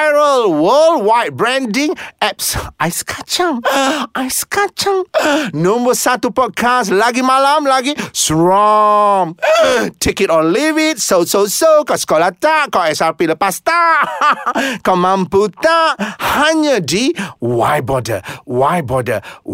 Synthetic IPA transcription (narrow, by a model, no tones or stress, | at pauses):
ɹəlwəldwajt̚bɹɛ̃ndĩŋɛp̚sajsə̥kʰat͡ʃaŋʔajsə̥kat͡ʃãŋnɔ̃mbəsat̪upɔd̚kʰaslaɡimalamlaɡisɹɔŋtʰekitɔnlivit̚sowsosowkawsə̥kolat̪aʔkawɛsarpiləpast̪aʔ | kawmãmput̪aʔhaɲədiwa̰jbɔdə̰waj̚bɔdə̰